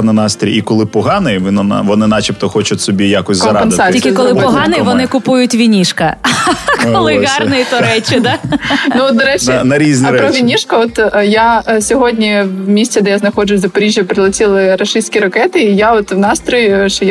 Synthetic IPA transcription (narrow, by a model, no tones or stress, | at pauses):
nɐnɑst̪ɾʲijikɔlˠɪpɔɦɑnɪʋɪnɐʋɔnɪnɑt͡ʃʲipt̪ɔxɔt͡ʃʊtʲsɔbʲijakɔsʲzk̪ːɐmɾpensɑiikɪkɔlˠɪpɔɦɑnɪjʋɔnɪkʊpujʊtʲʋʲinʲiʃkɐkɔlˠɪɣɑrnɪit̪ɔɾɛt͡ʃɪd̪anuɔt̪d̪ɔɾɛt͡ʃːnɐɾʲizʲnʲipɾɔʋʲinʲiʃkɐɔt̪jasʲɔɦɔdʲnʲiwmʲisʲt͡sʲɛd̪ɛjaznɐxɔd͡ʒʊsʲzɐpɐɾʲiʒʲjɐpɾɪlˠɐtʲilˠɪɾɐʃɪsʲkʲiɾɐkɛt̪ɪijaɔt̪wnɑst̪ɾɔjʊʃɔj